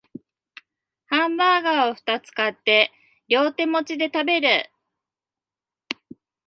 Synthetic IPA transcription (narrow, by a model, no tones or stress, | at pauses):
hãmbaːɡaːo̞ɸɯ̟̥t̪at͡sɨ̥kat̪ːe̞ | jʲo̞ːt̪e̞mo̞t͡ɕid̪e̞t̪abe̞ɾɯ